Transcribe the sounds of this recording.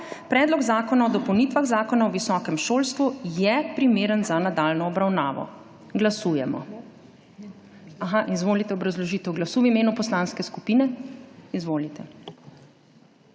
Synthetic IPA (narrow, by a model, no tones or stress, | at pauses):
pɾɛːd̪lɔɡzaːkɔnaɔd̪ɔpɐwniːt̪ʋaɣzaːkɔnaɔʋisɔkɛmʃoːlst̪ʋujɛpɾimeːɾənzanad̪aːlnɔːbɾawnaːʋɔ̰ | ɡlasujɛmɔ̰ | aɦaʔizʋoːlit̪ɛɔbɾazlɔʒit̪əwɡlasuːwimeːnupɔslanskɛskupinɛizʋoːlit̪ʰɛ